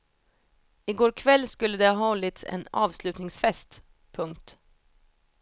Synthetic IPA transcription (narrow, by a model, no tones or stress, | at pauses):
ɪɡoːɾkʰvɛlːskɵlːəd̪ɛɑhɔlːɪt̪sɛ̰nɑ̰ːvslʉ̟t̪nɪŋsfɛst̪ | pʰɵŋk̚t̪